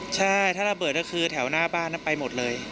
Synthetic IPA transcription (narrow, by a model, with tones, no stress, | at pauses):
t͡ɕʰa˥˩jt̪ʰaː˥˩ɾa˧bɤː˨˩t̪̚kɔ˥˩kʰɯː˧t̪ʰɛ˩˦wnaː˥˩baː˥˩nː˦˥npa˧jmo˨˩t̪̚lɤː˧j